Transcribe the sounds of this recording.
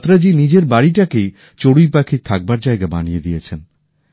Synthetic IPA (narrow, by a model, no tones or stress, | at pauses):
t̪ɾad͡ʑinid͡ʑeɾbaɽiʈake | t͡ɕoɽujpakʰit̪ʰak̚baɾd͡ʑaeɡabanijed̪ijet͡ɕʰen